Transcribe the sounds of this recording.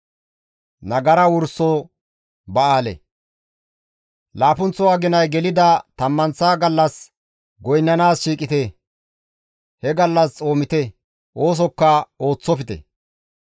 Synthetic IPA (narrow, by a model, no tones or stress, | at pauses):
nɐɡɐɾɐwʊɾso | bɐaːlɛ̰ | laːpʊnt͡sːɔwaːɡɪnɐjɡɛlɪd̪ɐt̪ɐmːɐnsaːɡɐlːɐs | ɡɔjnːɐnaːsʃiːkʼɪt̪e | hɛɡɐlːɐst͡sʼo̞ːmɪt̪ɛ | ʔo̞ːs̬ɔkːɐo̞ːt͡sːɔpɪt̪ɛ̰